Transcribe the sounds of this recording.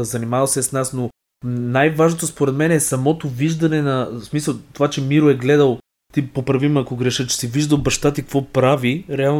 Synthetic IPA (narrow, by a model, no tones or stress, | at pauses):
zɐnimavɐlˠsɛsnasno | najvaʒnot̪ospoɾɛt̪mɛnɛsɐmɔt̪oviʒd̪ɐnɛnɐsmisəlˠt̪ovat͡ʃɛmiɾoɛɡlɛd̪əlˠ | t̪ipopɾɐvimɐkoɡɾɛʃət͡ʃɛ̥siviʒd̪əlˠbɐʃt̪at̪ikkvɔpɾaviɾɛalˠ